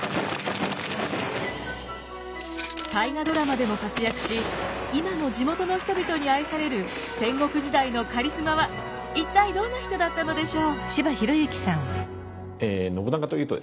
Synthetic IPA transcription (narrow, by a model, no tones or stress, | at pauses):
t̪aiɡad̪o̞ɾamad̪e̞mo̞kat͡sɨjakɯ̟̥ɕi | imano̞d͡ʑimo̞t̪o̞no̞çi̥t̪o̞bʲit̪o̞ɲ̟iaisaɾe̞ɾɯ̟ | sẽ̞ŋɡo̞kɯ̟ʑid̪aino̞kaɾʲisɨmaβa | it̪ːaid̪õ̞nːaçi̥t̪o̞d̪at̪ːano̞d̪e̞ɕo̞ːɕibaçiɾo̞iɯkʲi̥sãŋ | eno̞bɯ̟nakat̪ojɯ̟ːt̪od̪e